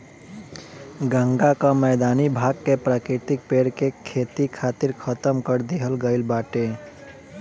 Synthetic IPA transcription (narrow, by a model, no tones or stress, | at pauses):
ɡə̃ŋɡakamɛːd̪aːnibʱaːɡ̚kepɾaːkɾɪt̪ɪk̚peːɽkekʰeːt̪ikʰaːt̪ɪɾkʰət̪əmkəɾd̪iɦəlɡəɪlbaːʈe